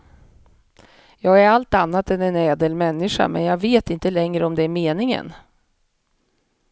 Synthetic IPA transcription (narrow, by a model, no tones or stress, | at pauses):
jɑːɡæɾalt̪anːat̪ɛnɛnɛːd̪əlmɛnːɪʂa̰mɛ̰njɑːveːt̪ɪnt̪əlɛŋɾəɔmd̪ɛæɾmeːnɪŋə̰n